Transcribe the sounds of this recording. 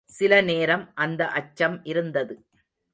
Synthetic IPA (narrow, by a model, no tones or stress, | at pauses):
sɪlɐneːɾɐmʔɐnd̪ɐʔɐt͡ʃːɐmɪɾɯnd̪ɐðɯ